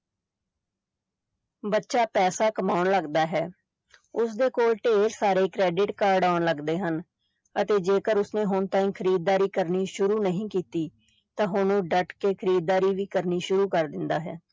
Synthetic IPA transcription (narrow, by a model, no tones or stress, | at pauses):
bətːʃaːpɛːsaːkəmaːʊnləɡd̪aːɦɛː | ʊsd̪eːkoːlʈeːlsaːɾeːkɾɛːɖɪʈkaːɾɖaːnləɡd̪eːɦən | ət̪eːd͡ʒeːkəɾʊsneːɦʊnt̪ãːĩkʰəɾiːd̪̚ːaːɾiːkəɾniːʃʊɾuːnəɦĩːkiːt̪iː | t̪ãːɦʊnõːɖəʈkeːkʰəɾiːd̪̚ːaːɾiːʋiːkəɾniːʃʊɾuːkəɾd̪ɪnd̪aːɦɛː